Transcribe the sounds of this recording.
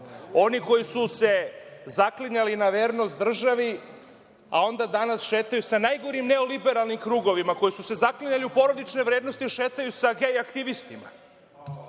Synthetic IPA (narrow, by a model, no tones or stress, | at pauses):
o̞niko̞jisuse̞zakliɲalinaʋeːɾno̞st̪d̪r̩ʒaʋi | a̰o̞nd̪ad̪anasʃe̞ːt̪ajusanajɡo̞ɾimne̞o̞libe̞ɾalˠnimkɾuːɡo̞ʋimako̞jisuse̞zakliɲaliupo̞ɾo̞d̪it͡ʃne̞ʋɾeːd̪no̞st̪iʃe̞ːt̪ajusaɡejakt̪iʋist̪ima̰